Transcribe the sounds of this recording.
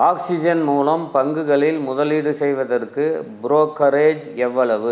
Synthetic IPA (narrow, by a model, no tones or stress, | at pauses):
aːksɪd͡ʒɐnmuːlɐmpɐŋɡɯɣɐɭɪlmʊðɐliːɽɯsɛjʋɐðɐrkɯbɾoːkːɐɾeːd͡ʒɛʋːɐɭɐʋɯ